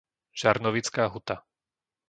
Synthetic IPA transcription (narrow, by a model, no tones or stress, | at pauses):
ʒ̥aɾnɔʋit͡skaːɦut̪a